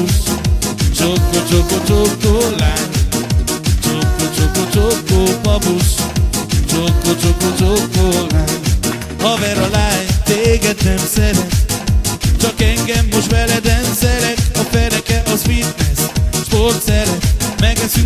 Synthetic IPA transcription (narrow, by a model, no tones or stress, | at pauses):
ʃ | t͡ʃokːot͡ʃokot͡ʃokːolajn | t͡ʃokːot͡ʃokot͡ʃokːopɒboʃ | t͡ʃokːot͡ʃokot͡ʃokːonan | ɔvɛɾɔlajnt̪eːɡɛd̪nɛmsɛɾɛk | t͡ʃɒkɛŋɡɛmːoʃt̪ɛlɛd̪ɛmsɛɾɛkɒfɛɾɛkɛʔɒsfit̪nɛsʃport̪sɛɾɛtmɛɡɛsy